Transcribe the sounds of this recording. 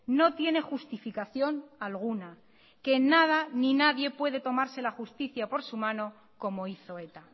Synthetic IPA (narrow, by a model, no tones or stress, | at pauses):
no̞t̪je̞ne̞xust̪ifikaθjo̞nalɣ̞una | ke̞nːað̞aninaðje̞pwe̞ð̞e̞t̪o̞maɾse̞laxust̪iθjapo̞ɾsumãno̞ | ko̞mo̞iθo̞e̞t̪a